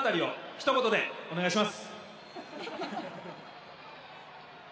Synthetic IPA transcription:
t̪aɾʲio̞çi̥t̪o̞ɡo̞t̪o̞d̪e̞o̞ne̞ɡaiɕimasɨ̥

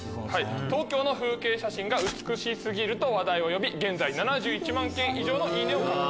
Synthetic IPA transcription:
hait̪o̞ːkʲo̞ːno̞ɸɯ̟ːke̞ːɕaɕĩŋɡaɯ̟t͡sɨ̥kɯ̟ɕisɨɡʲiɾɯ̟t̪oβad̪aio̞jo̞bʲiɡẽ̞nd͡zainanaʑɨːit͡ɕimãŋkẽ̞ɰ̃ʔiʑo̞ːno̞ɲʲiːnẽoko

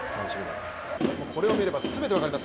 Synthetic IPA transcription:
kʰãnzimina̰ | mokʰo̞ɾe̞o̞mieɾe̞basɨbe̞t̪e̞akaɾʲimas

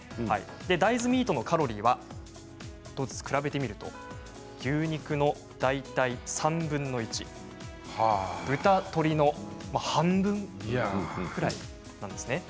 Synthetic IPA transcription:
ha̰ḭ | d̪e̞d̪aizɨmʲiːt̪o̞no̞kaɾo̞ɾʲiːβa | d̪̥oːzɨ̥t͡sɨ̥kɯ̟ɾabe̞t̪e̞mʲiɾɯ̟t̪o̞̰ | ɡʲɯːɲ̟ikɯ̟no̞ | d̪̥ait̪aisãmbɯ̟̃nːo̞it͡ɕḭ | hbɯ̟t̪at̪o̞ɾʲino̞mahãmbɯ̟̃ŋ | kɯ̟ɾaḭ | nãnd̪e̞sɨne̞

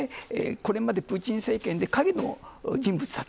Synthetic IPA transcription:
eḛko̞ɾe̞mad̪e̞pɯ̟ːt͡ɕĩɰ̃se̞ːkẽ̞nd̪e̞kaɡʲino̞̰d͡ʑĩmbɯt͡sɨ̥sa

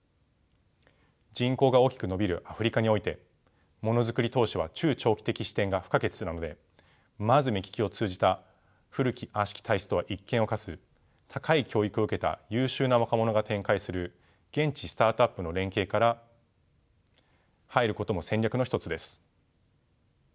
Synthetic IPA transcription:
d͡ʑĩŋko̞ːɡao̞ːkʲi̥kɯ̟no̞bʲiɾɯ̟ʔaɸɯ̟ɾʲikaɲ̟io̞it̪e̞ | mo̞no̞zɨkɯ̟ɾʲit̪o̞ːɕiβat͡ɕɨːt͡ɕo̞ːkʲi̥t̪e̞kʲiɕi̥t̪ẽ̞ŋɡaɸɯ̥kaɡe̞t͡sɨ̥ɨnano̞d̪e̞ | mazɨmʲikʲi̥kʲio̞t͡sɨːʑd͡ʑit̪a | ɸɯ̟ɾɯ̟kʲiʔãɕi̥kʲi̥t̪aisɨ̥t̪o̞βaʔikːẽ̞ɰ̃o̞kasɨ | t̪ʰakaikʲo̞ːikɯ̟o̞ɯ̟ke̞t̪a̰jɯ̟ːɕɨːnaβakamo̞no̞ɡat̪ẽ̞ŋkaisɨɾɯ̟ | ɡ̥ẽ̞ɲ̟t͡ɕisɨ̥t̪aːt̪oapːɯ̟no̞ɾẽ̞ŋke̞ːkaɾa | haiɾɯ̟ko̞t̪o̞mo̞sẽ̞ɲʲjakɯno̞çit̪ot͡sɨd̪e̞sɨ̥

